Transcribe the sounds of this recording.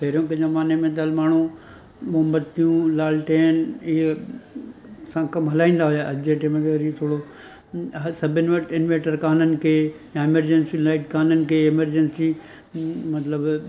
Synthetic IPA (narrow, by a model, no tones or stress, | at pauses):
peːɾjõkɐ̃d͡ʑomaːnemẽt̪ɐlmaːɳ̤u | mʊɦəmbət̪t̪ʰijũlaːlʈeːnie | sãkɐmɦɐlaːĩːn̆d̪aɦʊjaʔɐd͡ʑeʈemẽkʰeɐɾit̪ʰoːɽo | ɦsɐbʱɪnɪ̆ʋɐʈʰɪnʋeːʈəɾkaːnənɪ̆kʰeː | jãɪməɾd͡ʑɛnsilaːɪʈkaːnənɪ̆kʰeːɪməɾd͡ʑənsi | mɐt̪ləb